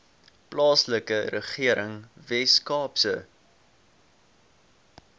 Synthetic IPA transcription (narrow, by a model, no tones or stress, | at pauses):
plɑːsləkəɾəχiəɾəŋvɛskɑːpsə